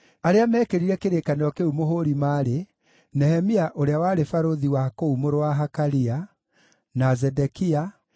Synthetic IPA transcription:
aɾeamɛːkeɾiɾɛkeɾekaneɔkeumoɦoɾimaɾe | nɛhɛmiaʔoɾeawaːɾefaɾoðiwaakoumoɾowaɦakaɾia | nazɛdɛkia

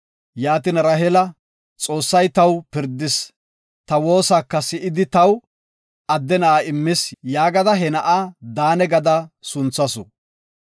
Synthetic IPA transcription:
jaːt̪inɾɐɦɛlɐ | t͡sʼo̞ːsːɐjt̪ɐwpɪɾd̪ɪs | t̪ɐwo̞ːsaːkːɐsɪʔɪd̪ɪt̪ɐw | ɐd̪ːɛnɐʔaɪmːɪsjaːɡɐd̪ɐɦɛnɐʔaːd̪aːnɛɡɐd̪ɐsʊnt͡sːɐsɔ̰

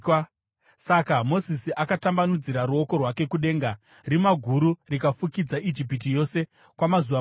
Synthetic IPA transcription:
sakamo̞sisiʔakatambanud͡ziɾaɾuo̞ko̞rwake̞kuɗe̞ːŋɡa | rimaɡʱuɾurikafukid͡zaʔid͡ʒip̬it̬ijo̞se̞ | kwamazuʋa

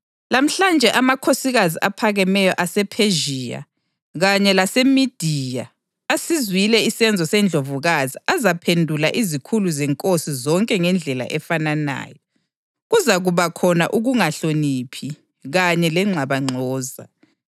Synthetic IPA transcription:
lam̩ɬand͡ʒʱɛʔamakʰosiɣaziʔapʰaɣɛmɛjɔʔasɛpʰeʒiːa̰ | ɣaɲɛlasemid̥ʱiːja | asizwilɛisɛnd͡zʱɔsɛnd͡ɮʱovuɣaziʔazapʰendʱulaʔizikʰuluzɛŋkʼosizɔŋkʼɛŋɛnd͡ɮʱɛla̰ʔɛfanana̰ːjɔ | ɣuzaɣuβakʰɔna̰ʔuɣuŋaɬonipʰi | ɣaɲɛlɛŋ͡ǁʱaβaŋ͡ǀʱɔːza̰

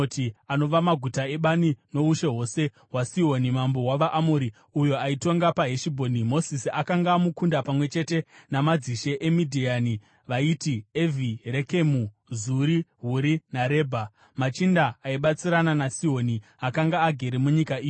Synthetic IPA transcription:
tiano̞ʋamaɡʱutae̞ɓanino̞uʃe̞ɦo̞se̞ | ɦwasiɦo̞nimambo̞ɦwaʋaʔamoɾi | ujo̞aito̞ŋɡapaɦeʃibʱo̞nimo̞sisiakaŋɡaːmukundapamwe̞t͡ʃe̞te̞namad͡ziʃe̞ʔemidʱiani | ʋaitieviɾe̞ke̞mu | zuɾiɦuɾinaɾe̞ːbʱa | mat͡ʃindaːiɓat͡siɾananasiɦo̞ni | akaŋɡaːɡʱe̞ɾemuɲikaiːjo

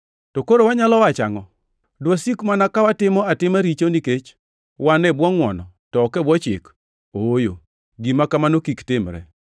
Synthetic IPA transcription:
tɔkoɾowaɲalɔwat͡ʃa̰ŋɔ | dwasikmanakawatɪmɔatɪmaɾit͡ʃoniket͡ʃ | wanɛbwɔŋwɔ̰nɔ | tɔːkɛbwɔt͡ʃɪ̰k | ojo̰ | ɡimakamanokiktɪmɾɛ̰

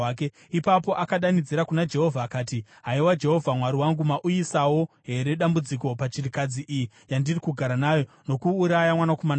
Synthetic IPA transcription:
ke | ipapo̞ʔakaɗanid͡ziɾakunad͡ʒe̞ɦo̞vʱaːkaːti | ɦaiwad͡ʒe̞ɦo̞vʱamwaɾiwaŋɡumaʔujisawo̞ | ɦe̞ɾe̞ɗambud͡ziko̞pat͡ʃirikad͡ziʔiji | jandirikuɡʱaɾanaːjo̞ | no̞kuːɾajamwanako̞man

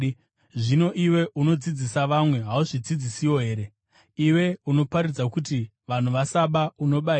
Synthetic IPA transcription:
ʐino̞ʔiwe̞ʔuno̞d͡zid͡zisaʋamwe̞ɦauʐid͡zid͡zisiwo̞ɦe̞ːɾe̞ | iwe̞uno̞paɾid͡zakuti | ʋan̤uʋasaɓauno̞ɓai

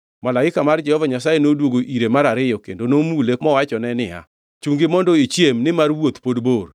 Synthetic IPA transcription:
malaɪkamard͡ʒɛhɔvaɲasajenodwoɡoʔiɾemaɾaɾɪjɔkendonomulekmɔwat͡ʃɔnɛnɪa̰ | t͡ʃuŋɡɪmɔndɔit͡ʃjemnɪmarwot̪podbor

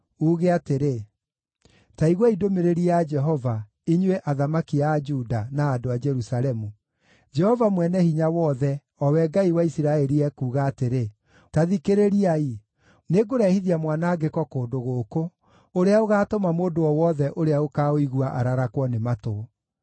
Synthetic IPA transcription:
uːɣeateɾe | taiɣwaidomeɾeɾiad͡ʒɛɦɔva | iɲweʔaðamakiad͡ʒudanaːdoad͡ʒɛɾusalɛmu | d͡ʒɛhɔvamwɛnɛhiɲawɔðɛ | ɔwɛɡaiwaisiɾaɛɾiɛkuːɣaːteɾe | taðikeɾeɾiai | neɡoɾɛhiðiamwanaːɡekɔkoːdoɣoːko | oɾeaoɣaːtɔmamoːdoɔwɔðɛʔoɾeaokaoiɣuaʔaɾaɾakwɔnemato

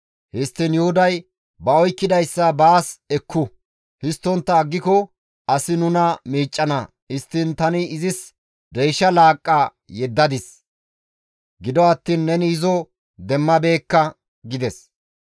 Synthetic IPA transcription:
hɪst̪ːɪnjʊhʊd̪ɐj | bɐɔjkːɪd̪ɐjsːɐbaːsɛkʰːʊ | hɪst̪ːɔnt̪ːɐːɡːɪkɔ | ʔɐsɪnʊnɐmiːt͡ʃʼːɐnɐ | ɪst̪ːɪnt̪ɐnɪɪzɪs | d̪ɛjʃɐlaːkʼːa | jɛd̪ːɐd̪ɪs | ɡɪd̪ɔɐt̪ːiːnːɛnɪɪzɔ | d̪ɛmːɐbe̞ːkːɐ | ɡɪd̪ɛs

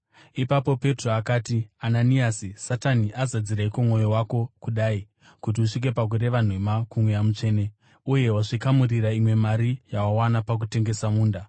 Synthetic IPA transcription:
ipapo̞pe̞tro̞akaːtiananiasisataniʔazad͡ziɾaikomŋo̞jowako̞kuɗaːi | kut̬iuʂik̬e̞pak̬ure̞ʋan̤wemakumwejamut͡ʂe̞ːne̞ | uje̞waʐikamuriɾaimwe̞maɾijawawanapak̬ute̞ŋɡe̞samuːnda

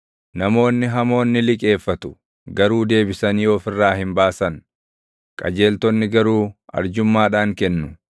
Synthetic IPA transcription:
nɐmo̞ːnːɪɦɐmo̞ːnːɪlɪkʼe̞ːfːɐt̪ʊ̥ | ɡɐɾuːd̪e̞ːbɪsɐnjo̞ːfɪrːaːhɪmbaːsɐn | kʼɐ̰d͡ʒe̞ːlt̪ɔnːɪɡɐɾuːɐ̰ɾd͡ʒʊmːaːᶑaːŋkɛnːʊ

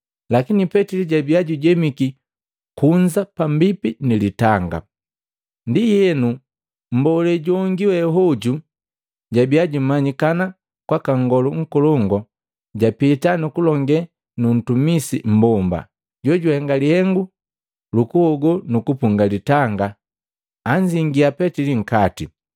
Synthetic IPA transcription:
lakinipɛtiliɟabiaɟuɟɛmiki | kuɲd͡ʒapambipinilitaŋɡa̰ | ndijɛnu | m̩bɔlɛɟɔŋɡiwɛɦɔɟu | ɟabiaɟumaɲikana | kwakaŋɡɔluŋ̩kɔlɔŋɡɔ | ɟapitanukulɔŋɡɛ | nun̩tumisim̩bɔmba̰ | ɟɔɟuhɛŋɡalihɛŋɡu | lukuhɔɡɔnukupuŋɡalitaŋɡaː | ɲd͡ʒiŋɡiapɛtiliŋ̩kati

